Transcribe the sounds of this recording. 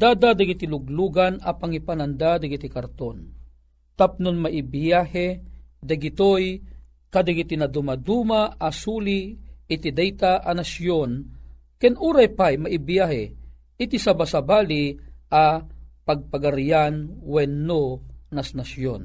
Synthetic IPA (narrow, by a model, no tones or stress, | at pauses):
d̪aːd̪ad̪aɡit̪iluɡluːɡanapaŋipanand̪ad̪aɡit̪ikaɾt̪on | t̪ap̚nʊnmaʔibjahɛd̪aɡit̪oj | kad̪aɡit̪inad̪umad̪umaʔasuliːt̪id̪ɛjt̪aʔanasjon | kɛnuːɾajpajmaʔibijahɛ | ɪt̪isabasabaːliapaɡ̚paɡaɾjanwɛnːonasnasjon